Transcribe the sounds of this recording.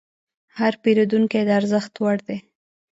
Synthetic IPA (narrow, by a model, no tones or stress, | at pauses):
haɾpeɾod̪uŋked̪əaɾzəxt̪waɽd̪e